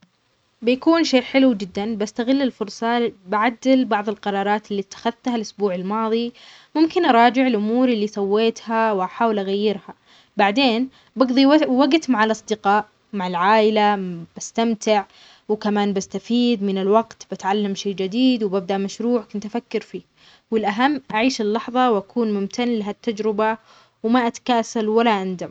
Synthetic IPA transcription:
bɪjakuːnʃeːʔħɪlud͡ʒɪd̪ːanbast̪aɣɪlːɪlfʊɾˤsˤɑbaʕad̪ːɪlbɑʕðˤɪlqɑɾˤɑːɾˤɑːt̪ɪlːiːt̪ːḁxaðt̪halʔʊsbuːʕɪlmɑːðˤi | mʊmkɪnʔɑɾˤɑːd͡ʒɪʕɪlʔʊmuːɾɪlːisˤɑwːeːt̪hawʔaħaːwɪlʔaɣajːɪɾha | baʕd̪eːn | bɑɡðˤiwaɡt̪maʕalʔɑsˤd̪ɪqɑːʔ | maʕalʕaːʔɪlab̥ast̪amt̪ɪʕ | wkamaːnbast̪afiːd̪mɪnɪlwaɡt̪bat̪ʕalːamʃeːd͡ʒɪd̪iːd̪wbab̚d̪aʔmaʃɾuːʕkʊnt̪ʔafakːɪɾfiː | wɪlʔaɦamːʔaʕiːʃɪlːɑħðˤɑwʔakʰuːnmʊmt̪ʰanlaɦat̪ːad͡ʒɾɪba | wmaʔat̪ḁkaːsalwalːaʔand̪am

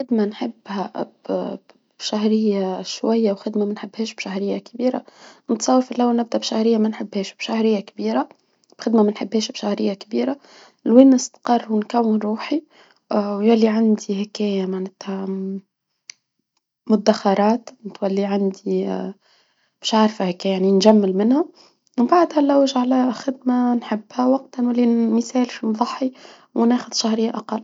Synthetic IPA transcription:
xɪd̪manħɪbːhæb | bʃaɦɾɪjːaʃwæjːawxɪd̪mamænħɪbːhɛːʃbʃaɦɾɪjːakbiːɾa̰nət̪sˤɑwːəɾfilʔawːalnɪb̚d̪æʔbʃahɾɪjːamænħɪbːhɛːʃb̥ʃahɾɪjːakbiːɾa | b̥xɪd̪mamænħɪbːhɛːʃbʃahɾɪjːakbiːɾa | lwinːɪst̪qɑrˤːwnkæwːɪnɾuːħi | wjælːiʕand̪ihækɛːjæmanæt̪hæ | mʊd̪ːaxɑɾˤɑːt̪nɪt̪wælːiʕand̪i | b̥ɛːʃʕaʕɾˤfahækɛjaʕninʒamːɪlmɪnhæ | wbaʕd̪hælːæwʒʕlæxɪd̪manħɪbːhæwɑq̚t̪nwælːiməsæːlfimðˤɑħːi | wnæːxʊd̪ʃahɾɪjːaʔɑqɑlː

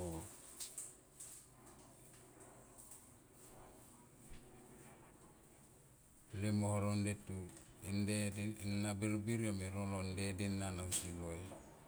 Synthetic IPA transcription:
o | lemohoɾondetuendenːabelobiɾomeɾolondedenːanausiloj

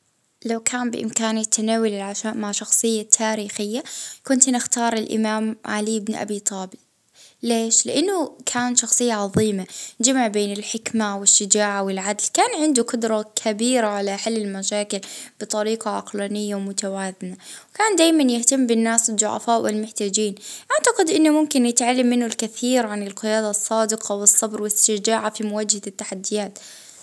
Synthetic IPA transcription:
lawkʰaːmbɪ̰ʔɪ̰mkaːnɪt̪ʰːanaːwʊlɪlʕaʃaːʔmaʕʃɑxsˤɨjːat̪ʰːaːɾiːxɪjːakʊnt̪nɪxt̪ɑːɾˤɪlʔɪ̰maːmʕaliɪbnʔa̰biːt̪ˤɑːbɪl | leːʃlɪʔanːʊkʰaːnt̪ʃɑxsˤɨjːaʕɑðˤiːmad͡ʒamʕbeːnɪlħɪkmawɪʃːɪd͡ʒaːʕawɪlʕad̪lkaːnʕɪnd̪uqʊd̪ɾˤɑkʰabiːɾaʕalaħalːɪlmaʃaːkɪlb̥ɨt̪ˤɑɾiːqɑʕɑ̰qlaːnɪjːawmʊt̪awaːðɪnawkaːnd̪aːjmanjɪht̪amːbɪnːaːsd̪ˤʊ̰ʕa̰faːʔwʔɪ̰lmʊħt̪aːd͡ʒiːnʔaʕt̪aqɪd̪ʔɪnːʊmʊmkɪnjɪt̪ʕalːamːɪnːʊlkaθiːɾʕanɪlqɪjaːd̪asˤːɑːd̪ɪqʰɑwɨsˤːɑbɾwɪɪst̪ɪd͡ʒaːʕafimʊwaːd͡ʒhat̪ːaħad̪ːɪjaːt̪

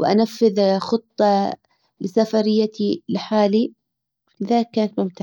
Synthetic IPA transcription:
wʔa̰nafːɪðxɨt̪ˤːɑ | lɪsafɑɾɪjːat̪ilɪħaːli | flɪðaːlɪkːaːnat̪mʊmt̪aʕ

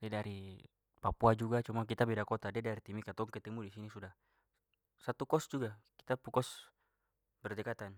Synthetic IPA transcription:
dɛdaɾi | papuad͡ʒuɡat͡ʃumak̬it̪abɛdakɔt̪adɛdaɾit̪imikat̪ɔŋkɛt̪ɛmudisinisudah | sat̪ukɔsd͡ʒuɡaki̥t̪apukɔs | bɛrd̪ɛkat̪an

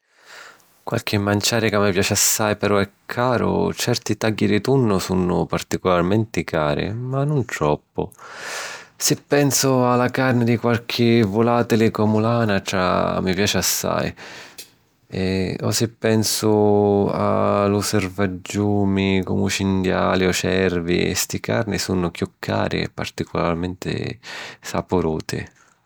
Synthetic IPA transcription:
kwa̰lk̟ɪmːant͡ʃaːɾɪkamːipjaːt͡ʃɪasːajpɛɾɔɛkʰːaːɾʊ̰t͡ʃɛrt̪it̪aɡːid̪ɪt̪unːʊsunːʊpart̪ikʊlarmɛnt̪ɪkʰaːɾɪ̰manːʊnt̪ɾɔpːʊ̰ | sɪpːɛnsʊalakarnɪd̪ikwalk̟ʰɪvʊlaːt̪ɪlɪkɔmʊlaːnaʈɾa̰mːipjaːt͡ʃɪasːa̰j | ɛɔ̰sɪpːɛnsʊa̰luservad͡ʒːuːmikɔ̰mut͡ʃind̪jaːliɔsɛrvḭɛ̰st̪ɪkʰa̰rnɪsunʊkjukʰːa̰ːɾɪ̰ɛ̰pːa̰rt̪ikʰʊlarmɛnt̪ɪ̰sa̰pʊɾuːt̪ʰɪ̰

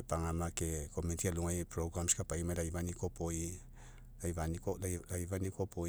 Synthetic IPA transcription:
paŋamakeko̞mentialuŋajpɾoɡɾamskapaimaɾajvanikopoi | lajvanikoajvanikopo

